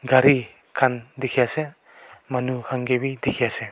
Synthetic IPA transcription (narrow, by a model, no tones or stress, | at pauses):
ɡaɾi | kʰandikʰijase | manukʰaŋɡebidikʰijase